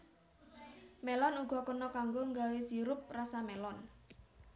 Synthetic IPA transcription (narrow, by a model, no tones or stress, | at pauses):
mɛlɔnuɡ̥ɔ̤kənɔkaŋɡoŋɡawesiɾʊp̚rasamɛlɔn